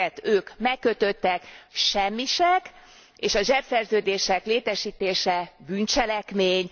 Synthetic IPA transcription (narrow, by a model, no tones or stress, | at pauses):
ɛt̪øːkmɛkːø̞t̪ø̞t̪ːɛkʃɛmːiʃɛk | eːʃɒʒɛpsɛrzøːd̪eːʃɛkleːt̪ɛʃiːt̪eːʃɛbyːnt͡ʃɛlɛkmeːɲ